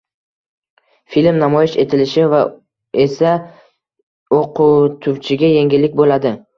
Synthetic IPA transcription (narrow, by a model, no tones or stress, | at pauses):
filmnamɒjɪʃe̞t̪ʰɪlɪʃɪva | e̞sa | oqʰʊt̪ʰʊwt͡ʃʰɪɡʲaje̞ŋɡʲɪlːɪkʲbolad̪ɪ